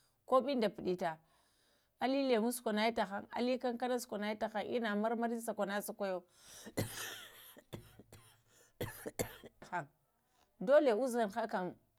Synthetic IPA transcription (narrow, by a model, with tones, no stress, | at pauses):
ko˦ɓi˦nda˨pi˨ɗi˦ta˨ | a˦li˦le˨mu˦skʷo˨na˨i˦ta˨xa˦˨ŋa̰˨li˦ka˦ŋka˦na˦sko˨na˨˦ji˦ta˨xa˦ŋʔḭ˦na˨ma˦ɾma˦ɾi˦sa˨kʷa˨na˦sa˦ka˦jo˦ | xa˨ŋ | do˦le˨u˦za˨nxa˦ka˨m